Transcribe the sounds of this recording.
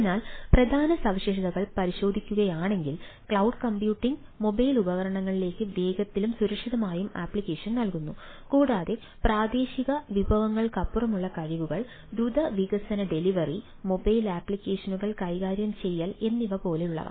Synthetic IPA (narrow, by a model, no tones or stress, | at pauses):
naːlprɐd̪ʱaːnɐsɐʋɕeːʂɐðɐɣɐɭpɐɾiɕo̞ːd̪ʱikʲːuɣɐjaːɳe̞ŋɡilkɭɐwɖkɐmpjuːʈːiŋɡmo̞bɐjlubɐɣɐɾɐɳɐŋːɐɭile̞ːkːɨʋe̞ːɡɐt̪ːilumsuɾɐkʂiðɐmaːjuma̰ːpːɭikːe̞ːʂɐnnɐlkunːu | kuːɽaːðe̞ | praːd̪e̞ːɕiɣɐʋibʱɐʋɐŋːɐɭkɐpːurɐmuɭːɐkɐɻiʋuɣɐɭ | d̪ɾud̪ɐʋiɡɐsɐnɐɖe̞liʋɐri | mo̞bɐjlaːpːɭikʲːeːʂɐnuɣɐɭkɐjɣaːɾjɐmt͡ɕe̞jːaːle̞nːiʋɐpo̞ːle̞uɭːɐ̰ðɐ̰